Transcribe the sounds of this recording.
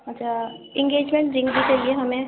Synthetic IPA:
ɐtːt͡ʃʰaɪ̃ŋɡeːd͡ʒmẽɳʈ̚d͡ʒɪ̃ŋɡd̪ikelieɦɐmẽ

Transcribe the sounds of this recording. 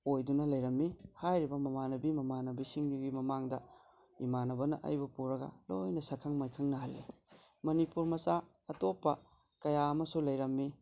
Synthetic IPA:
ojdunɐlɐjɾɐmːihajɾibɐmɐmanɐbimɐmanɐbisiŋɡiɡimɐmaŋdɐ | ḭmanɐbɐnɐ̰ʔɐ̰jbɐpuɾɐɡɐ̰lojnɐsɐkʰɐŋmajkʰɐŋnɐhɐlːi | mɐnipuɾmɐsa | ɐtopːɐ̰ | kɐjaɐmɐsulɐjɾɐmːi

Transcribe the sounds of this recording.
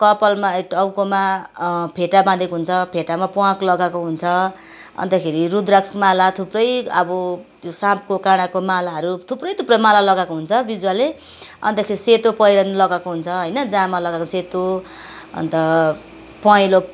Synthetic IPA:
kʌpʌlmaeʈʌwkomapʰeʈabãd̪ekoɦunt͡sʰʌpʰeʈamapuãklʌɡakoɦunt͡sʰʌ | ʌ̰nt̪ʌkʰeɾirud̪raksmalat̪ʰuprʌjʌbʌ | josãp̚kokaɽ̃akomalaɦʌɾut̪ʰuprʌjt̪ʰuprʌmalalʌɡakoɦunt͡sʰʌbid͡zwale | ʌ̰nt̪ʌkʰeɾiset̪opʌjɾʌnlʌɡakoɦunt͡sʰʌɦʌjnʌd͡zãmalʌɡakoset̪o | ʌ̰nt̪ʌ | pʌĩlo

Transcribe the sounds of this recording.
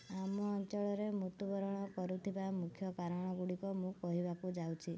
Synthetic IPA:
amɔːnt͡ʃɔɭɔɾemut̪ubɔɾɔɽ̃ɔkɔɾut̪ʰibamukʰjɔkaɾɔɽ̃ɔɡuɽikɔmũkɔɦibakud͡ʒawt͡ʃʰi

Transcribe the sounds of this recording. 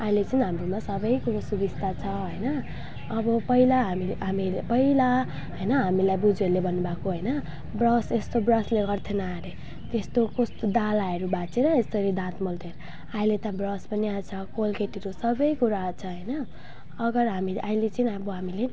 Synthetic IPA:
ailet͡sʌnɦamɾomasʌbʌjkuɾasubist̪ʰat͡sʰʌɦʌjnʌː | bʌpʌilaɦamiɦamipʌila | ɦʌjnʌɦamilajbud͡zelebʌnubakoɦʌjnʌ | brʌsest̪obrʌsleɡʌrt̪ʰenʌaɾe | t̪est̪okost̪od̪alaeɾubat͡seɾʌesʌɾid̪ãt̪molt̪ʰeɾ | ailet̪ʌbrʌspʌniat͡sʰʌkolkeʈiɾosʌbʌjkuɾaːt͡sʰʌɦʌjnʌː | ɡʌrɦamiʔailet͡sinɦaboɦamile

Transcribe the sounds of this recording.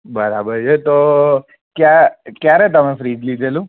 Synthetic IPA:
bəɾa̰bəɾt͡ʃʰet̪o | kjakjaɾɛt̪əmefɾiːd͡ʒlid̪ʱelũ

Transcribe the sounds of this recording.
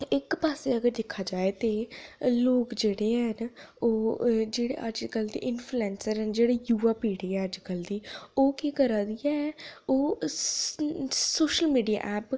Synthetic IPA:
ɪkpaːseːəɡəɾd̪ɪkʰːaːd͡ʒaːet̪eːloːkd͡ʒeːɽeːɦənoːd͡ʒeːɽḛːʔəd͡ʒkəld̪ḭːʔɪnpʰluɛːnsəɾɦənd͡ʒeːɽeːjuːaːpiːɽeːɛːəd͡ʒkəld̪iːoːkiːkəɾaːd̪iɛːoː | soːʃəlmiːɖija̰ːʔɛːp

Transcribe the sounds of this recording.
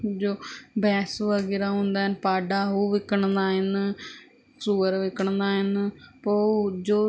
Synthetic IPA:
d͡ʒoːbɛːsʋəɡɪɾaːɦõːnd̪aːɦɪnpaːɖaːɦuːʋɪkːəɳd̪aːɦɪn | suːəɾʋɪkəɳd̪aːɦɪnpod͡ʒoː

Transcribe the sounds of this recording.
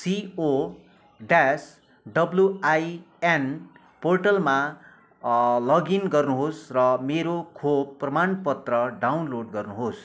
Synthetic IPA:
sio | ɖas | ɖʌbljuaj | en | porʈʌlma | lʌɡinɡʌrnuɦosrʌmeɾokʰob̚pːrʌmanpʌt̪rʌɖawnloɖɡʌrnuɦos

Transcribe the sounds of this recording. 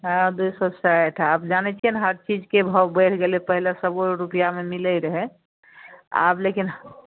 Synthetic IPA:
ɦãd̪ujsɔsaʈʰapd͡ʒanɛt͡ʃʰiənɦəɾt͡ʃid͡ʒkebʱəbəʈʰɡelepəɦilesəboɾupijamemilɛjɾəɦɛ | a̰blekin

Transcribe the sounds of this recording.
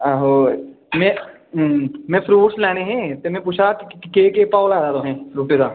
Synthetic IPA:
aːɦoː | mɛ̃ː | mɛ̃ːpʰɾuːʈslɛːñeɦɛ̃ːt̪eːmɛ̃ːpuːt͡ʃʰakkeːkeːpaːlɛːd̪aːd̪oːɦɛ̃ːɾuːʈed̪aː

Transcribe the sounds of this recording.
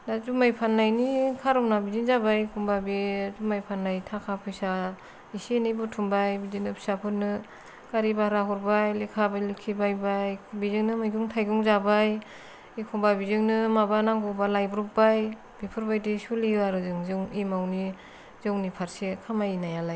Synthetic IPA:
dazumajpʰanːajnikʰaɾɔwnabiziŋzabajkʰumbabizumajpʰanːajtʰakʰapʰɯjsa | isenɯjbutʰumbajbizinɯpʰi̥sapʰɯtnɯ | kaɾibaɾaɦɔɾbajlikʰabajlikʰːibajbajkbizɯŋnɯmajɡuŋtʰajɡuŋzabaj | ikʰumbabizɯŋnɯmabanaŋɡɔwbalajbɾɔk̚baj | b̥ipʰɯɾbajdisuliaɾɯzɯŋzɯŋimawni | zɯwnipʰaɾsekʰamajinajalaj

